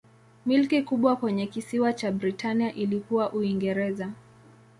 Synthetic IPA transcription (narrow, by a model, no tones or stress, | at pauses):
milkikuɓwakwɛɲɛkisiwat͡ʃabɾitaniaʔilikuwaʔuiŋɡɛɾɛza